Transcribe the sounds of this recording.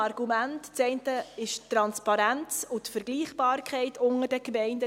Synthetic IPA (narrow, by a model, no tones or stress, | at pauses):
ɑrɡumæntt͡sɛɪntəɪʃrɑnspɑɾænt͡sʊtfəɾɡliːχbɑːrkχɛɪtʰʊŋərd̥əkmɛɪndə